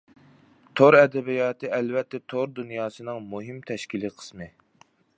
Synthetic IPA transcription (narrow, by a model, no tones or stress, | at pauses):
t̪ʰoɾɛd̪ɛbijɑːt̪ʰɨʔɛlvɛt̪ʰːɛt̪ʰoɾd̪unjɑːsɨnɨŋmuɦimt̪ʰɛʃkʲiliqʰə̥smɨ